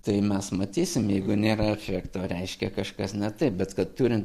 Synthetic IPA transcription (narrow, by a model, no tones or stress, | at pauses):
t̪ɐɪmʲɛsmɐt̪ʲiːsʲɪmjɛɪɡʊnʲeːɾɐɛfʲækt̪oːɾʲɛɪʃʲkʲɛkɐʃkɐsnʲɛt̪ɐɪp̚bʲɛt̪kɐt̪t̪uːɾʲɪnt̪